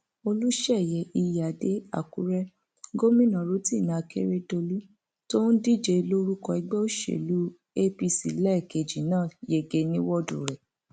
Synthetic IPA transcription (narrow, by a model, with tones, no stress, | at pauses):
o˧lu˦ʃɛ˦˨jɛ˨˦ʔi˧ja˨de˦a̰˦˨ku˨˦ɾɛ˦ | ɡo˦mĩ˦˨nã˨ɾo˦ti˦˨nã˨˧˨kḛ˦ɾe˦do˧lu˦ | to˦n̩˦di˦˨d͡ʒe˧lo˦ɾu˦kɔ˧i˧˦ɡ͡bɛ˦o˦ʃḛ˨lu˦ | e˦pi˧sḭ˨lɛ˦˨ke˨d͡ʒi˨nãː˦˨je˨ɡe˧nĩ˦wɔ˦dṵ˨ɾɛ˨